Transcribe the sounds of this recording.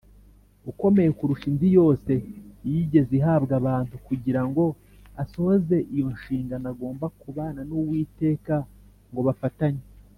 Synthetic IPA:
uko̞me̞je̞kuɾuʃiːnzijo̞ːse̞jiɟe̞ziɦaːbɡaβaːntukuɟiɾaŋɡo̞ | aso̞hoze̞ʔijo̞nʃiːŋɡanaɡo̞ːmbakuβaːnanuwiːte̞ːka | ŋɡo̞βafataɲe

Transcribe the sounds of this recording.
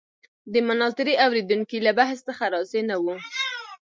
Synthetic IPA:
d̪əmanɑt̪ɪɾiawɾed̪uŋkilabaɦst̪axaɾɑsenawu

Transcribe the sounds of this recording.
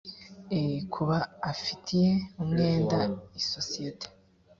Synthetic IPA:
ekʰuβaːfitʰije̞umŋe̞ːndaiso̞sijete̥

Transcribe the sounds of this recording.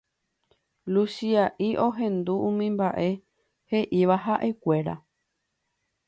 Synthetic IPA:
lusiaʔiʔo̞ɦẽ̞nd̪uũmĩmbaʔe̞ | he̞ʔiʋaɦaʔe̞kʷe̞ɾa̰

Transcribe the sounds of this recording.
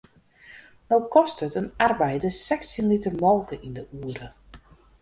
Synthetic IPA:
nowkɔstətənarbɛjdəsɛksənlitərmɔlˠkəʔindəuːəɾə

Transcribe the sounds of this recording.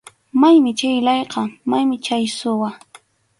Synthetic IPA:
majmɪt͡ʃajlɑjqɑmajmɪt͡ʃajsʊwa

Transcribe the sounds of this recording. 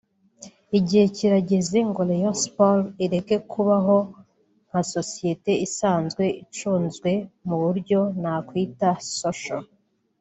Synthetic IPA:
iɟihe̞ciɾaɟe̞zeŋɡolejospoliɾe̞ke̞kʰuβaɦo̞ | n̥haso̞sije̞te̞isaːnzɡwe̞it͡ʃuːnzɡwe̞muβuɾɟo̞n̥akwiːtasoʃo

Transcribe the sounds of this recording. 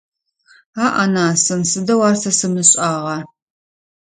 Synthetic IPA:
aːʔanaːsɨnsɨdɐwaːrsɐsɨmɨɕʼaːʁɑ

